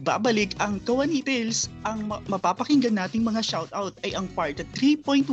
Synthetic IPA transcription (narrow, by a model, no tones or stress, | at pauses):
ba̰ːbɐlɪkɐŋkɐwɐnit̪ɛlsʔɐŋmmɐpaːpɐkɪŋɡɐnaːt̪ɪŋmɐŋaʃawt̪awt̪̚ʔɐjʔɐŋpaɹt̪ɐt̪ɾipojnt̪